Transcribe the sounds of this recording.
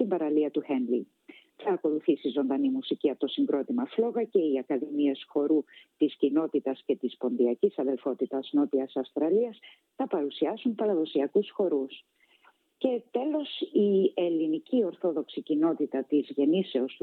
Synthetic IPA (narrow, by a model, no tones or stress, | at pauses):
t̪imbɐɾɐliɐt̪uhenli | θɐːko̞luθisizo̞nd̪ɐnimusiciɐt̪o̞siŋɡɾo̞t̪imɐflo̞ɣɐce̞iɐkɐðimie̞sxo̞ɾut̪iscino̞t̪it̪ɐsce̞t̪ispo̞nðiɐcisɐðe̞lfo̞t̪it̪ɐzno̞t̪iɐsɐfst̪ɾɐliɐs | θɐpɐɾusiɐsumpɐɾɐðo̞siɐkusxo̞ɾus | ce̞t̪e̞lo̞sie̞linicio̞ɾθo̞ðo̞ksicino̞t̪it̪ɐt̪izʝe̞nise̞os